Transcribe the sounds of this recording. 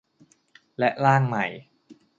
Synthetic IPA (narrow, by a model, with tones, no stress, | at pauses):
lɛ˦˥ʔlaː˥˩ŋma˨˩j